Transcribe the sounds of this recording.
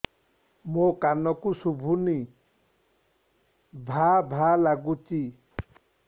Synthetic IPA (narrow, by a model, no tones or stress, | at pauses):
mokanɔkusubʱuni | bʱabʱalaɡut͡ʃi